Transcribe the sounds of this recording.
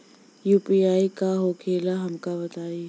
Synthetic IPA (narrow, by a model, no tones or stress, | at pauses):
juːpiːaːikaɦoːkʰeːlaɦɐmkabɐt̪aːi